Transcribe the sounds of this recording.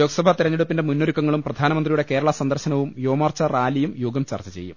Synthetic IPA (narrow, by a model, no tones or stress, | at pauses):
joːɡɐsɐbʱɐt̪iɾɐɲːɐɽupːinde̞munːoɾikːɐŋːɐɭumprɐd̪ʱaːnɐmɐnd̪rijuɽe̞ke̞ːɾɐɭɐsɐnd̪ɐrɕɐnɐʋumjoːmɐrt͡ɕɐraːlijumjuːɡɐmt͡ɕɐ̰rt͡ɕɐt͡ɕe̞̰jːṵm